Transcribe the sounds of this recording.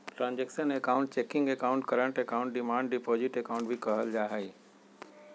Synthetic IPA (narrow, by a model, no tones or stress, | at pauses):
ʈɾãːnd͡ʒeksənekaːʊ̃ɳʈ̚t͡ʃeːkɪ̃ŋɡekaːʊ̃ɳʈkəɾə̃ɳʈekaːʊ̃ɳʈɖɪmãːɳɖɖɪpoːd͡ʒɪʈekaːʊ̃ɳʈ̚bʱikɐɦəld͡ʒaːɦəiː